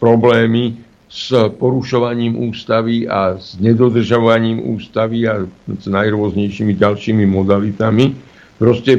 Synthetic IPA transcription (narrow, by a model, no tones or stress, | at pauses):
pɾɔblɛːmi | spɔɾuʃɔʋaɲiːmʔuːst̪aʋiaz̥ɲɛd̪ɔd̪r̩ʒaʋaɲiːmṵːst̪aʋiaz̥najɾʊɔzɲɛjʃimiɟalʃiːmimɔd̪alit̪ami | pɾɔscɛ